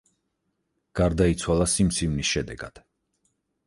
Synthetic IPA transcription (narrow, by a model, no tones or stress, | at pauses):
ɡ̥aɾd̪ait̪sʰwalˠasimt̪sʰimnisʃɛd̪ɛɡa̰d̪̥